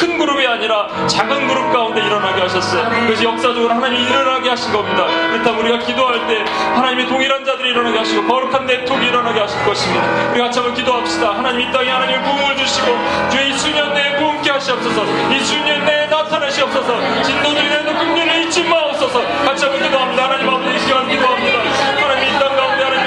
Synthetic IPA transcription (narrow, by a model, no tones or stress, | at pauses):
kʰɯnɡuɾɯbiaɲiɾa | t͡ɕaɡɯnɡuɾɯp̚k͈aunde̞iɾʌnɦaɡeɦaɕʰʌs͈ʌjokɯɡʌɕ̬ʰijʌk̚s͈ad͡ʑoɡɯɾohanaɲimiːɾʌnɦaɡeɦaɕʰinɡʌmɲidakɯɾʌtʰamuɾiɡakidoɦaɭt͈e̞ | hanaɲimitoŋiɾand͡ʑadɯɾiɾʌnɦaɡeɦaɕʰiɡopʌɾukʰande̞tʰoɡiːɾʌnɦaɡeɦaɕʰiɭk͈ʌɕʰimidauɾiɡakat͡ɕʰamʌnkidoɦaɕ͈idahanaɲimit͈aŋihanaɲimekomued͡ʑuɕʰiɡo | t͡ɕueisʰuɲʌnːekomk͈eɦaɕʰiʌp̚s͈ʌsʰʌisʰuɲʌnːenatʰanaɕʰiʌp̚s͈ʌsʰʌ | t͡ɕindodɯɾiɾedokuŋɲʌniit͡ɕ͈imaops͈ʌsʰʌ | kat͡ɕʰamʌnkidoɦamidahanaɲimapʰeɕiʌɦankidoɦamɲida | hanaɲimiːt͈anɡaunde̞anaɲi